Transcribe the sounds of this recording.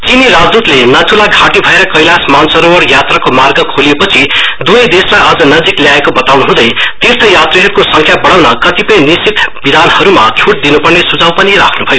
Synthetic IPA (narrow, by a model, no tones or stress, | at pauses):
t͡siniɾad͡zd̪ut̪lenʌt̪ʰulaɡʱaʈibʱʌeɾʌkʌjlasmansʌɾowʌɽjat̪rakomarɡʌkʰoliepʌt͡sʰid̪uʌjd̪eslajʌd͡zʌnʌd͡zikljaekobʌt̪awnuɦũd̪ʌjt̪irt̪ʰʌjat̪riɦeɾkosʌŋkʰjabʌɽawnʌkʌt̪ipʌjnisit̪bid̪ʱanhʌɾumat͡sʰuʈ̚d̪inupʌrnesud͡zawpʌniɾa̰kʰnubʱʌjo